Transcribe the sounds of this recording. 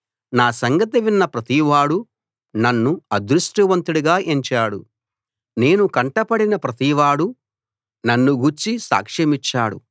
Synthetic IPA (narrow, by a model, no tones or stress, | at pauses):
naːsɐŋɡɐt̪iʋinːɐpɾɐt̪iʋaːɽu | nɐnːuɐd̪ɾusʈuʋɐnt̪uɽuɡaːʔeɲt͡ʃaːɽṵ | ne̞ːnukɐɳʈɐpɐɽinɐpɾɐt̪iʋaːɽu | nɐnːuɡuɾt͡ʃisa̰ːkʂɐmit͡ʃːaːɽṵ